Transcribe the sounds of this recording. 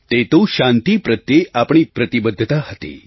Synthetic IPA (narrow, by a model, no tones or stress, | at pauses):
t̪et̪oʃãnt̪ipɾət̪jeapɳ̃ipɾət̪ibəd̪ʱːt̪aɦət̪ḛ